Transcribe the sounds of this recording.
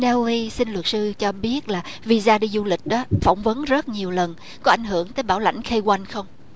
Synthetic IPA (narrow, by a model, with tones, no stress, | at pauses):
nɛ˧wi˧sï˧nlwə˨˩t̚sɨ˧t͡ɕɔ˧ɓi˦˥ət̚laː˨˩ | vi˧zaː˧ɗi˧zu˧lï˨˩k̟̚ɗɔ˨˦fa˧˩wŋ͡mvə˨˦nzə˦˥t̚ɲi˨˩əwlə˨˩n | kɔ˨˦ʔa˧˩jŋ̟ɦɨ˧˩əŋt̪əː˨˦jɓaː˧˩wla̰˧jŋ̟xe˧jkwa˧jnxə˧wŋ͡m